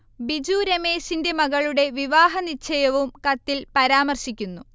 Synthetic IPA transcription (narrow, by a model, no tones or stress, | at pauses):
bid͡ʑuːɾɐme̞ːsinde̞mɐɣɐɭuɽe̞ʋiʋaːɦɐnit͡ɕʰːɐjɐʋumkɐt̪ːilpɐɾaːmɐrɕikʲːunːu